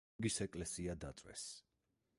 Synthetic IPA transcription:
ɡisɛkʼlɛsiad̪at̪sʼwɛ̰s

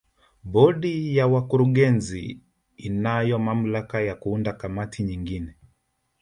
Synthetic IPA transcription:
ɓɔɗijawakuɾuɠɛnziː | najɔmam̩lakajakuundakamatʰiɲiŋɡinɛ

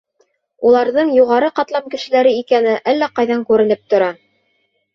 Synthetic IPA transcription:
ulˠɑɾðɤɴjuʁɑɾɤqɑt̪lˠɑpkɘ̆ʃɘ̆læɾɘikænɘʔælːæqɑjðɑŋkʉɾɘ̆nɘp̚t̪ŏɾɑ

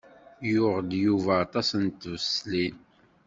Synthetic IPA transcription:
jʊʁd̪juvæːt̪ˤɑsənt̪ːvəslin

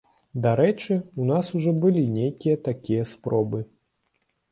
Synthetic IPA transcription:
d̪aɾɛt͡ʂɨunasuʐɔbɨlʲinʲejkʲijɐt̪akʲijɐspɾʔɔbɨ

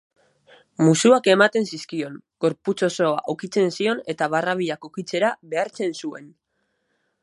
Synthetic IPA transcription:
musuake̞mat̪e̞nsiskio̞ŋ | ɡ̥o̞ɾput͡so̞so̞aʔokit͡se̞nsio̞ne̞t̪aβaraβ̞iakokit͡se̞ɾaβe̞aɾt͡se̞nsue̞̰n

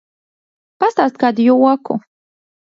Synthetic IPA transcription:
past̪aːst̪̚kaːd̪juɔkṵ

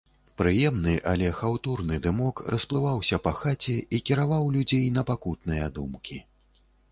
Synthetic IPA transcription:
pɾɨjɛmnɨʔalʲɛxawt̪urnɨd̪ɨmɔkrʔɐsplˠɨvawsʲɐpɐxat͡sʲɛikʲiɾavawlʲud͡zʲejn̪ɐpakut̪nɨjɐd̪umkʲi

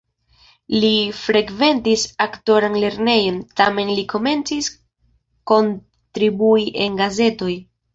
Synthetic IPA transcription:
lifɾe̞kve̞ntisakto̞ɾanle̞ɾne̞jo̞ntame̞nliko̞me̞nt͡sis | ko̞n | tɾibuiʔe̞nɡaze̞to̞j

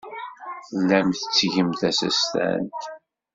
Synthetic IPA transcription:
læmθə̥t͡sːʝəmt̪æsæ̰st̪æ̰nt̪

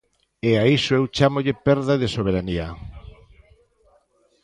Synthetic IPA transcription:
eaisoewt͡ʃamoʎɪpɛɾðaðesoβ̞eɾania

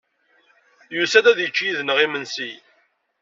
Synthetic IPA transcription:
jusæd̪æðjət͡ʃːjiðnəʁimənsi

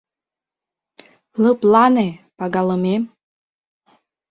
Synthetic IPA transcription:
lɤplˠanepaɡalˠɤme

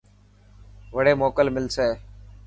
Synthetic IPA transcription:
ʋəɽeːmoːkəlmɪlseː

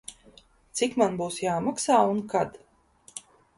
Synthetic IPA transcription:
t̪sikmanbuːsjaːmaksaːunkad̪

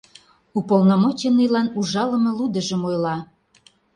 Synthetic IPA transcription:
upolˠnomot͡ɕenːəjlɑnuʒɑlə̆mɤ̆lud̪ə̆ʒə̆mojlɑ

